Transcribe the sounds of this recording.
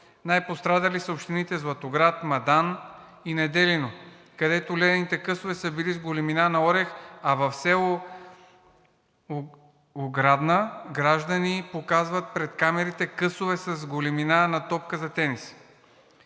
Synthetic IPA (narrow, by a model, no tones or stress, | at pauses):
najpost̪ɾad̪ɐlisəopʃt̪init̪ɛzlˠɐt̪oɡɾat̪mɐd̪an | inɛd̪ɛlino | kɐd̪ɛt̪olɛd̪ɛnit̪ɛkɤsovɛsəbilizɡolɛminanɐɔɾɛxɐvɐfsɛlo | oɡɾad̪nəɡɾaʒd̪ənipokazvɐt̪̚pɾɛt̪kamɛɾit̪ɛkɤsovɛsɐzɡolɛminanɐt̪ɔp̚kəzɐt̪ɛnis